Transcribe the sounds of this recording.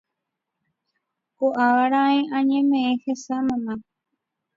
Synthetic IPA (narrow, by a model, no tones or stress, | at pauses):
koʔaʋaɾãẽʔãɲẽmẽẽhesamãnã